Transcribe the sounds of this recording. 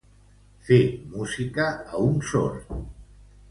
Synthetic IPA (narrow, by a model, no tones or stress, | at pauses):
femuzikəəunso̰ɾ